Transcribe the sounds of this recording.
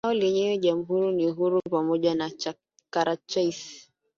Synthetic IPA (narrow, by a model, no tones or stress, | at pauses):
aɔleɲeɔd͡ʒamuɦuɾiniuɦuɾupamɔd͡ʒana | kaɾat͡ʃais